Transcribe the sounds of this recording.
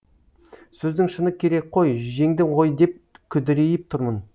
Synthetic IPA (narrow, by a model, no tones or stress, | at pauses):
sɵzd̪ɪŋʃənəkʲʰe̞ɾe̞k̚ʲqʰojʒe̞ŋd̪ɪɴʁo̞jd̪e̞p̚kʲʰʏd̪eɾe̞jɪp̚t̪ʰʊɾmən